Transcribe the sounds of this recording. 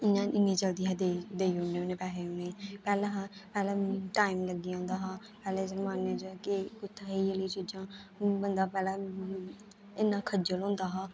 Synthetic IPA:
ɪnãːɪmẽːt͡ʃəld̪iːɦad̪ed̪eːiːɦoneːonẽːpɛːɦeːonẽpɛːlẽːɦapɛːlɛ̃ːʈaːɪmləɡːiːãːnd̪aːɦaː | pɛːlẽːsəɾmaːnẽːd͡ʒəkɪkʊt̪ʰːaːɦeeləiːt͡ʃiːd͡ʒãːbənd̪aːpɛːlɛː | ɪnːãːkʰəd͡ʒəlɦõːnd̪aːɦaː

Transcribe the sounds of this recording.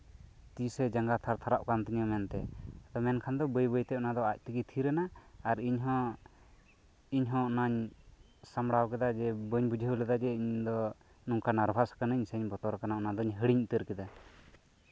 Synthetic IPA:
t̪isɛd͡ʒaŋɡat̪ʰaɾt̪ʰaɾaʔkant̪iɲəmɛnt̪ɛd̪ɔmɛnkʰand̪ɔbəjbəjt̪ɛɔnad̪ɔac̚t̪əɡit̪ʰiɾɛnaːɾiɲɦɔ̃ | iɲɦɔ̃naɲ | samɽawkɛd̪ad͡ʒɛbəɲbud͡ʒʱəulɛd̪ad͡ʒɛiɲd̪ɔ | nuŋkanaɾbʱaskanɲsɛɲbɔt̪ɔɾkanaɔnad̪ɔɲɦəɽiɲut̪əɾkɛd̪a

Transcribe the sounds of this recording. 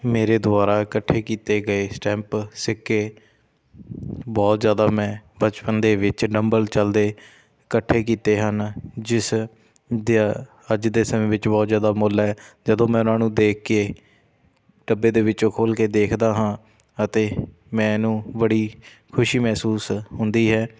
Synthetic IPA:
meːɾeːd̪ʊaːɾaːkəʈʰːeːkiːt̪eːɡəeːsʈɛ̃ːmpsɪkːeː | bɔːt̪zjaːd̪aːmɛ̃ːbət͡ʃpənd̪eːʋɪt͡ʃɖəmbəlt͡ʃəld̪eː | kəʈʰːeːkiːt̪eːɦənd͡ʒɪs | d̪ | əd͡ʒd̪eːsəmẽːʋɪt͡ʃbɔːt̪zjaːd̪aːmoːlɦɛːd͡ʒəd̪õːmɛ̃ːʊnãːnũːd̪eːkʰːeː | ɖəbːeːd̪eːʋɪt͡ʃõːkʰoːlkeːd̪eːkʰd̪aːɦãː | ət̪eː | mɛ̃ːnũːbəɽiː | kʰʊʃiːmɛːsuːsɦʊnd̪iːɦɛː

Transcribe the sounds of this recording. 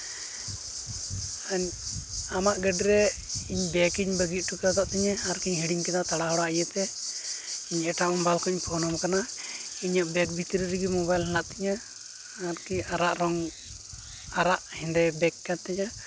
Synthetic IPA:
aɲamaʔɡəɖiɾɛiɲbɛkiɲbəɡit̪̚ʈukat̪aʔt̪ɛɲaaɾkiɲɦiɽiŋkɛd̪at̪aɽaɦɔɽaajət̪ɛ | iɲɛʈamɔmbalkɔiɲpʰɔnɔmkanaiɲɔʔbɛk̚bʱit̪iɾɾiɡimɔbajlɦɛlaʔt̪iɲa | aɾkiaɾaʔɾɔŋ | aɾaʔhind̪ɛbɛkːat̪ɛɲa

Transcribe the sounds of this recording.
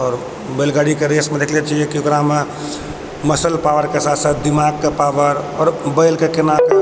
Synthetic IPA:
ɔːɾ | bəlɡaɽikeɾesmẽd̪ekʰlet͡ʃʰiekiokɾaɦme | məsəlpaʋəɾkesat̪sat̪̚d̪imaɡ̚kepaʋəɾɔːɾbəɪlkekenake

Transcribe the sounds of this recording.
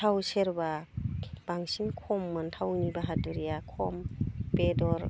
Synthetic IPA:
tʰawseɾba | b̥aŋsinkʰɔmːɯntʰawnibaɦaduɾijakʰɔmpedɔɾ

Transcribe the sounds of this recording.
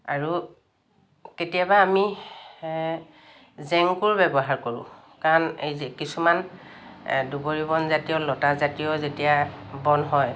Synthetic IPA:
a̰ɹu | ketijabaːmi | zɛŋkuɹbɛbɔɦaɹkoɹʊ̰̃ | kaɹɔnejkisuman | duboɹibɔnzatijɔlɔtazatijɔzetijabɔnɦɔj

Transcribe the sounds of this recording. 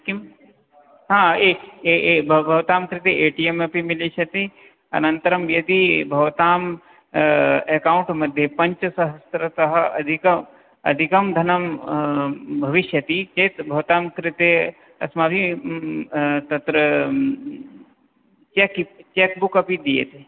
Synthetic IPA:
kim | ɦãːeebʱbʱɐʋt̪aːmkɾɪt̪eeːʈiemɐpimilit͡ʃʰɐt̪i | ɐ̰nɐ̃nt̪ɐɾɐmjɐd̪ibʱɐʋt̪aːm | eːkaːʊɳʈmɐd̪ʱjepɐɲt͡ʃsɐɦɐst̪ɾɐt̪ɐɦɐɐ̰d̪ʱikɐ | ɐ̰d̪ʱikɐmd̪ʱɐnɐm | bʱɐʋɪʃjɐt̪it͡ʃeːt̪bʱɐʋt̪aːmkɾɪt̪e | ɐ̰smaːbi | t̪ɐt̪ɾə | t͡ʃekit͡ʃeːk̚bukɐpid̪ijḛt̪e

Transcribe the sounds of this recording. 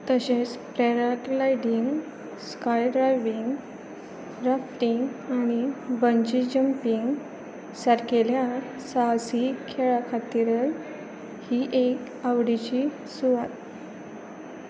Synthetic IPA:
t̪əɕẽt͡spɾeɾaʈlajɖiŋɡ | skajɖɾajʋiŋɡ | ɾafʈiŋɡañibəɲd͡ʑid͡ʑəmpiŋɡ | saɾkelja | sasikʰeɭakʰat̪iɾəl | hiʔek | aʋɽit͡ɕi | suʋat̪̚

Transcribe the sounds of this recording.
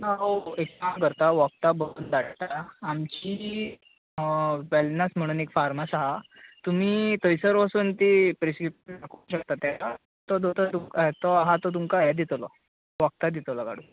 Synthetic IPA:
naɦoek̚amkəɾt̪aʋɔk̚t̪abəluːnd̪aɽʈ̪aamt͡ɕiː | ʋɛlnasm̤əɽ̃uːnekfaɾmasaɦat̪um̤iːt̪əjsəɾʋasuːnt̪iːpɾiskɾip̚ʂnakuːɕək̚t̪at̪ːjata | t̪ɔd̪ot̪ət̪umt̪ɔaɦat̪ɔt̪̬umkaɦɛd̪it̪lɔ | ʋək̚t̪ad̪it̪lɔɡa̰ɽ̤u

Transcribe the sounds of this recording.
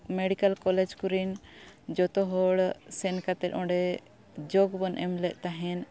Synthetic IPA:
meɽikalkɔlɛd͡ʒkuɾind͡ʒɔt̪ɔɦɔɽsɛnkat̪ɛt̪̚ʔɔ̃ɖɛ | d͡ʒɔɡbɔnʔɛmlɛʔ̪̚ˀt̪aɦɛn

